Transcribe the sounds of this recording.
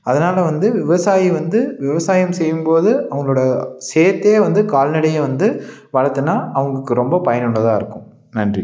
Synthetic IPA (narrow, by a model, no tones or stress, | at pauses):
ɐðɐnaːlɐʋɐnd̪ɯʋɪʋɐsaːjiʋɐnd̪ɯʋɪʋɐsaːjɐmsɛjːɯmpoːðɯʔɐʋɐɡɐɭoːɽɐseːt̪ːeːʋɐnd̪ɯkaːlnɪɽɐjeʋɐnd̪ɯ | ʋɐɻɐt̪ːɯnːaːɐʋɐŋɡɐkːɯɾɔmbɐpɐjɐnʊɳːɐðãːɪɾɯkːʊ̃ | nɐndri